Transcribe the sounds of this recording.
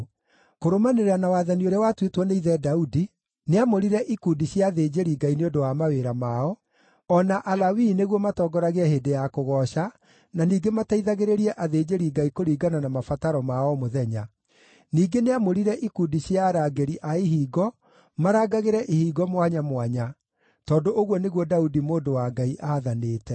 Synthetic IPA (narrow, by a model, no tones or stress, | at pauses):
koɾomaneɾeanawaːðanioɾɛwatwetwɔneiðɛdaudi | neamoɾiɾɛʔikudiɕjaðeːd͡ʑeɾiːɡaineondowamaweɾamaɔ | ɔnaʔalawineɣwɔmatɔːɡɔɾaɣeɛheːdejakoɣɔːɕa | naniːɡemataiðaɣeɾeɾiɛʔaðeːd͡ʑeɾiːɡaikoɾiːɡananamafataɾɔmaɔmoðɛɲa | niːɡeneamoɾiɾɛʔikudiɕjaɾaɡeɾiʔaiɦiːɡɔ | maɾaɡaɣeɾɛʔihiːɡɔmwaɲamwaɲa | tɔːndoʔoɣwɔneɣwɔdaudimoːndowaŋɡaiʔaːðaneːtɛ